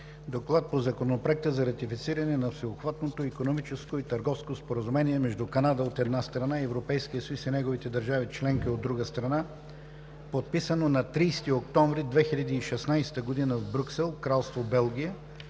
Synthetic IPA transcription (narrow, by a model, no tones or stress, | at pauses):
d̪oklˠat̪̚pozɐkonopɾɛk̚t̪əzɐɾɐt̪ifit̪siɾɐnɛnɐfsɛopxvat̪not̪oikonomit͡ʃɛskoit̪əɾɡɔfskospoɾəzumɛniɛmɛʒd̪ukɐnad̪əot̪ɛd̪nast̪ɾɐnaiɛvɾopɛjskijəsɐjusinɛɡovit̪ɛd̪əɾʒavit͡ʃlɛŋk̟iod̪ːɾuɡəst̪ɾɐna | pot̪̚pisənonɐt̪ɾijst̪iokt̪ɔ̃ɱvɾid̪vɛxilʲɐd̪iːʃɛsnajsɛ̥t̪əɡod̪inəvbɾuksɛlˠkɾalˠst̪vobɛlˠɡ̟ʲijə